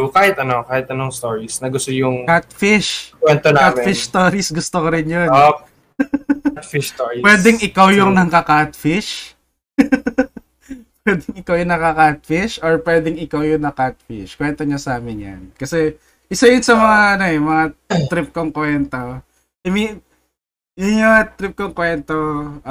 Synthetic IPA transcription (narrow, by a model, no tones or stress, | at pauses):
kaːhɪt̪ɐnokaːhɪt̪ɐnoŋst̪oːɹisnɐɡʊst̪ojʊŋkat̪̚fɪʃwɛnt̪onaatmfɪʃst̪oːɾisɡʊst̪okoɾɪnjono | t̪fiʃoːɹipwɛːd̪ɛŋʔɪkawjʊŋnɐŋkɐkat̪fɪʃ | pwɛːd̪ɛŋɪkawjʊŋnɐkɐkat̪̚fɪʃʔoɹpwɛːd̪ɛŋɪkawjʊŋnɐkat̪̚fɪ̰ʃkwɛnt̪oɲɐsaːmɪnja̰nkɐsɛ | ʔɪsɐjʊnsɐmɐŋaʔɐnoʔɛmɐŋat̪ɾɪp̚koŋkwɛnt̪o | ɐmin | jʊnjoat̪ɾɪp̚koŋkwɛnt̪o